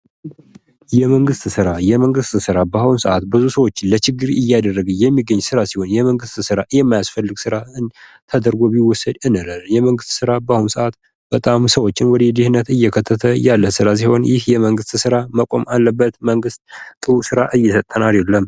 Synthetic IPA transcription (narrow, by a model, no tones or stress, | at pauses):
jɛməŋɡɨst̪sɨɾajɛməŋɡɨst̪sɨɾabaunsəʔat̪̚bɨzusəwo̞t͡ʃːɪnlət͡ʃɪɡːɨɾɪjːad̪ərːəɡəjɛmːiɡːəɲːsɨɾasiho̞njɛməŋɡɨst̪sɨɾajɛmːajasfəlːɨɡsɨɾaɨnt̪ʰəd̪əɾɡobiwːɔsəd̪ɨnəlaljɛməŋɡɨst̪sɨɾabəahunsəʔat̪ | b̥ət̪ʼamsəwo̞t͡ʃːɪnwɔd̪ed̪ihnːət̪ɨjːɛkʰət̪ʰːət̪ʰəjalːəsɨɾas̬iho̞njɪhjɛməŋɡɨst̪sɨɾaməkʼo̞̰malːəbːət̪məŋɡɨst̪t̪ʼɨusɨɾaʔɨjːɛsət̪ʼːənaljɛlːəm